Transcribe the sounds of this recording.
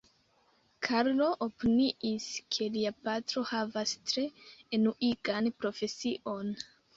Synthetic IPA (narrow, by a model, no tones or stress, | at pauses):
kʰaɾlo̞ʔopiniiskʰe̞liapatɾo̞havastɾe̞ːnuʔiɡanpɾo̞fe̞siʔo̞n